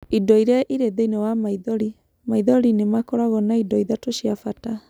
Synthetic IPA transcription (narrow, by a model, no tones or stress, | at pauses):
idɔiɾjaʔiɾeðeinewamaiðɔɾi | maiðɔɾinemakɔɾaɣɔnaidɔiðatoʃiafata